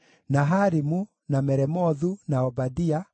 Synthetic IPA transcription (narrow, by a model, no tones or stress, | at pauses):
naɦaɾimu | namɛɾɛmɔðunaɔbadia